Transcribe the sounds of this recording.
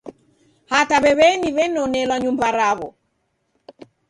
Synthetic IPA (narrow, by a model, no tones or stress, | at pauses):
hataβɛβɛniβɛnɔnɛlwaɲumbaɾaβɔ